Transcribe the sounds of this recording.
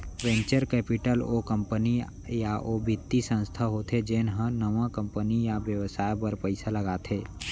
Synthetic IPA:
ʋɛ̃ːɲt͡ʃəɾkɛːpɪʈəloːkə̃mpəni | jaʔoːbɪt̪ːisə̃nst̪ʰaɦoːt̪ʰed͡ʒeːnɦə̃nəʋãkə̃mpənijaʋjəʋsaːjpəɾpəɪsaləɡat̪ʰeː

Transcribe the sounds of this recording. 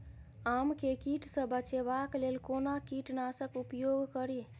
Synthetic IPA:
amkekiʈsə̃bət͡ʃeβaklelkonakiʈnasəkupjoɡkəɾi

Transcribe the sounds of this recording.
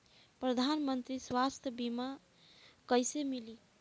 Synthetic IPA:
pɾəd̪ʱanmənt̪ɾiswast̪ʰəbima | kəjsemili

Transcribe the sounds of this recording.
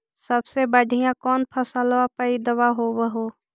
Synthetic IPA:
səbsebəɖʱijãkɔːnpʰəsalʋapəid̪əwaɦowəɦoː

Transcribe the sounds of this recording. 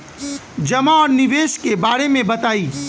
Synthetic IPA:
d͡ʒɐmaɔːɾnɪʋeːʃkebaːɾemẽbɐt̪aːiː

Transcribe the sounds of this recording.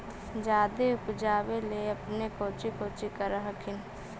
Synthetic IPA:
d͡ʒaːd̪eʊpd͡ʒaːweleɐpnekoːt͡ʃikoːt͡ʃikəɾəɦəkʰɪn

